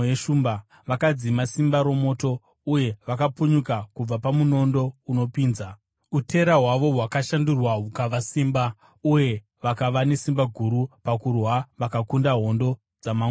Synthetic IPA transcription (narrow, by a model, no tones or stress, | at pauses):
jeʃumba | ʋakad͡zimasimbaɾo̞mo̞ːto̞ | uje̞ʋakapuɲukakub͡vapamuno̞ndo̞uno̞piːnza | utʰe̞ɾaɦwaʋo̞ɦwakaʃandurwaukaʋasiːmba | uje̞ | ʋakaʋane̞simbaɡʱuɾupakurwaʋakakundaɦo̞ndo̞ | d͡zama